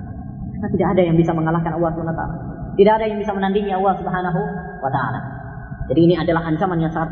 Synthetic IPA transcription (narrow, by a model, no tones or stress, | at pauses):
kanat̪idaʔːdajaŋbisaməŋalahkanalːɑsumanwat̪a̰la̰ | t̪idaadajaŋbisamənandiŋialːɑhsubɦanaɦu | wat̪aʔa̰la̰ | d͡ʒadiːniadalaɦaɲt͡ʃamanjaŋsaŋat̪